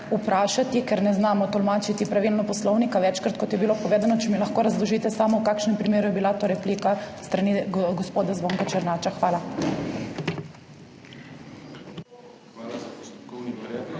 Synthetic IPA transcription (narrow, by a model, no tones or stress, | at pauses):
upɾaːʃat̪ikɛɾnɛznaːmɔt̪ɔlmaːt͡ʃit̪ipɾaʋiːlnɔpɔslɔwnikaʋɛt͡ʃkɾat̪̚kɔt̪jɛbilopɔʋeːd̪anɔt͡ʃɛmilaxkoːɾazlɔʒiːt̪ɛsaːmɔwkaːkʃnɛmpɾimeːɾujɛbilat̪oːɾɛpliːkast̪ɾaniɡɔspoːd̪azʋoŋkat͡ʃɛɾnaːt͡ʃaxʋaːla